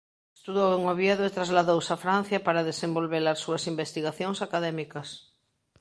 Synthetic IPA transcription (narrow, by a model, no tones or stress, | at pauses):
est̪uðoweŋoβjaðoet̪ɾazlaðowsafɾan̟θjapaɾaðesẽmbolβelaɾsuɐsimbest̪iɣaθjoŋsakaðɛmikɐs